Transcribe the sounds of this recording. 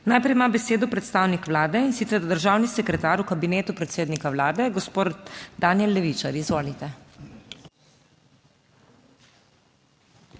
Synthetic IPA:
naːjpɾɛjmaːbɛseːd̪ɔpɾɛt̪st̪aːwnikʋlaːd̪ɛinsit̪sɛɾd̪əɾʒaːwnisɛkɾɛt̪aːɾukabineːt̪upɾɛt̪seːd̪nikaʋlaːd̪ɛɡɔspoːd̪d̪aːnjɛlːɛʋit͡ʃaɾizʋoːlit̪ɛ

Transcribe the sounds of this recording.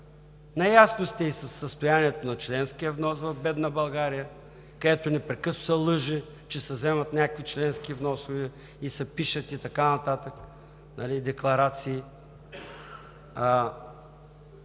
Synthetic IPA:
nɐjasnost̪ɛisɐsːəst̪ʊjaniɛt̪onɐt͡ʃlɛnskijəvnɔsvɐvbɛd̪nəbɐlˠɡaɾijə | kɐd̪ɛt̪onɛpɾɛkɤsno̥sɐlˠɤʒi | t͡ʃɛsɐzɛmɐt̪nʲakəkvit͡ʃlɛnskivnɔsʊvɛ | isɐpiʃət̪it̪ɐkanɐt̪at̪ək | nɐlid̪ɛklˠɐɾat̪siː

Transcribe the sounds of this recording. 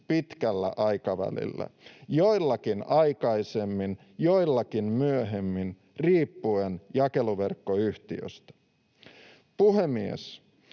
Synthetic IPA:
pit̪kælːæ̰ʔɑjkɑʋæ̰lḭlːæ̰jo̞ilːɑkinɑjkɑisemːin | jo̞ilːɑkinmyøɦemːin | riːpːuenjɑke̞luʋe̞rkːo̞yht̪iø̰st̪æ̥ | puɦe̞miḛs

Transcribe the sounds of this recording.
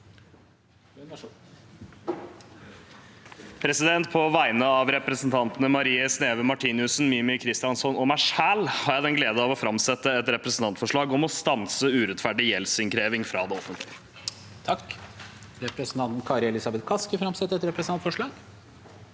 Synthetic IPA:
pʰɾɛsɪd̪ɛnt̪̚pʰɔʋæɪnəɑʋɾɛpɾəsn̩t̪ʰɑnt̪nəmɑɾiːəsneːʋəmɑʈʰiːnɪʉsn̩miːmɪkʰɾɪst̪ɪjɑnsɔnɔmæɪʂæːlhɑɾjæd̪ɛnɡleːd̪əɑʋɔfɾɑmsɛt̪ːəɛt̪ɾɛpɾəsn̩t̪ʰɑnt̪fɔʂɭɑːɡɔmɔst̪ɑnsəʉːɾɛt̪fæɖɪjɛlsɪŋkʰɾeːʋɪŋfɾɑːd̪ɛɔfːənt̪ʰlɪə | t̪ʰɑk | ɾɛpɾəsn̩t̪ʰɑnt̪n̩kʰɑɾɪɛlɪsɑbɛt̪kʰɑskəfɾɑmsɛt̪ːəɾɛt̪ɾɛpɾsnɑnfɔʂɭɑːɡ̥

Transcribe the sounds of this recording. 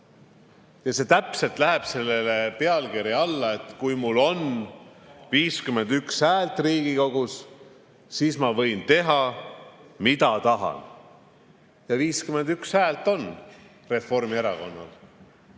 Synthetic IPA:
jɑse̞ːt̪æpse̞lt̪ˑlæɦe̞b̥se̞lːe̞le̞pe̞ɑlkiɾiɑlːɑe̞t̪kujmulːo̞n | viːskyme̞nd̪ykshæːlt̪ˑriːɡ̥iko̞ɡ̥us | siːsmɑvɤ̞jnt̪e̞ɦɑ | mit̪ɑt̪ɑɦɑ̰n | jɑviːskyme̞nd̪ykshæːlt̪ˑo̞n | re̞fo̞rmie̞ɾɑko̞nːɑ̰l

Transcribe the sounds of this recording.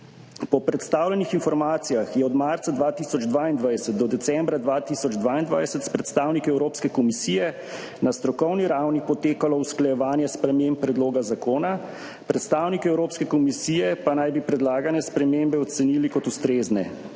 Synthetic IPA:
pɔpɾɛt̪st̪aːwlɛnixinfɔɾmaːt̪sijaxjɛɔd̪maɾt̪sad̪ʋat̪iːsɔd͡ʒd̪ʋaːind̪ʋajsət̪̚d̪ɔd̪ɛt̪sɛmbɾad̪ʋaːt̪isɔd͡ʒd̪ʋaːind̪ʋa̰jsɛt̪spɾɛt̪st̪awnikɛwɾoːpskɛkɔmisiːjɛ | nast̪ɾɔkɔwniɾawnipɔt̪eːkalɔusklajɛʋaːnjɛspɾɛmempːɾɛd̪loːɡazakoːna | pɾɛt̪st̪aːwnikɛwɾoːpskɛkɔmisiːjɛpanajbipɾɛd̪laːɡanjɛspɾɛmembɛɔt̪sɛniːlikɔt̪ust̪ɾeːznɛ̰

